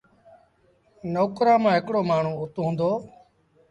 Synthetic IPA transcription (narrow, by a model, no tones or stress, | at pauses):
noːkɾãːmãːɦɪkɽoːmaːɳ̤ũːʊt̪ɦũːnd̪oː